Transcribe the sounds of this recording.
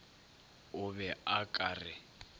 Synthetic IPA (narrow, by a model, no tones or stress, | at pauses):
ʊβɛakʼaːrɪ